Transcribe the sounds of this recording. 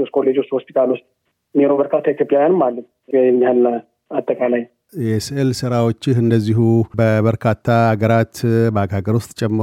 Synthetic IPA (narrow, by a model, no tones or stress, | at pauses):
oskʰolːed͡ʒost̪hospʰi̥t̪ʰalust̪ʼ | neɾobəɾkʰat̪ʰːait̪ʰjo̞pʼjawjanɨmːalːət̪ | jɛɲːhal | at̪ʼːəkʼalaj | jɛsɨlsɨɾawo̞t͡ʃːɪhɨnd̪əzːihubəβəɾkʰat̪ʰːaaɡəɾat̪bəaɡhaɡəɾwʊst̪ʼt͡ʃʼɛmː